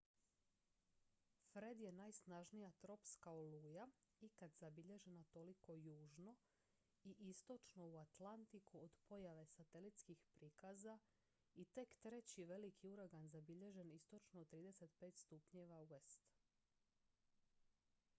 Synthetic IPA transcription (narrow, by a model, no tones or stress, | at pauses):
fɾe̞d̪je̞najsnaʒnijat̪ɾo̞pskaoluːjaikad̪zabiʎe̞ʒenat̪o̞liko̞juːʒno̞ | iʔist̪o̞t͡ʃno̞uat̪lant̪ikuod̪po̞jaʋe̞sat̪e̞lit̪skixpɾiːkaza | it̪e̞kt̪ɾe̞t͡ɕiʋe̞likʰiuɾaɡanzabiʎe̞ʒe̞nist̪o̞t͡ʃnot̪ɾiːd̪e̞se̞t̪pe̞ːt̪st̪upɲe̞ʋauest̪